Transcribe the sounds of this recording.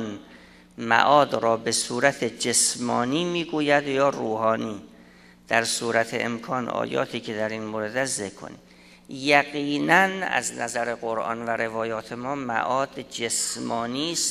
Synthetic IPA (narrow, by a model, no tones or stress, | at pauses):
n | mæ̰ʔɒːd̪ɾɒːbe̞suːɾæt̪ʰed͡ʒesmɒːniːmiːɡuːjæd̪jɒːɾuːhɒːniː | d̪̥æɾsuːɾæt̪ʰeʔḛmkʰɒːnɒ̰ːjɒ̰ːt̪ʰiːkʰe̞d̪æɾiːnmoːɾed̪æszekʰːo̰nḭːm | jæɡiːnænæ̰znæ̰zæɾeɣoɾʔɒ̰nvæɾʔe̞vɒːjɒːt̪ʰe̞mɒːmæ̰ʔɒːd̪d͡ʒesmɒːniːs